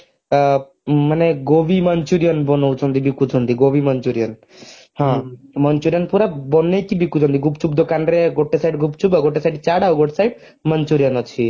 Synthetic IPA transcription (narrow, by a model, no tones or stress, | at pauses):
maneɡobimənt͡ʃuɾijɔnbɔnowt͡ʃʰɔnd̪ibikːutʰɔnd̪iɡobimənt͡ʃuɾijɔn | hãmənt͡ʃuɾijɔnpuɾabɔnekibikːut͡ʃʰɔ̃nd̪iɡupt͡ʃub̚d̪okanɾeɡoʈːesajɖɡʱupt͡ʃubaɡoʈːesajɖt͡ʃaɽawɡɔʈsajɖ | mənt͡ʃuɾijɔnɔt͡ʃʰi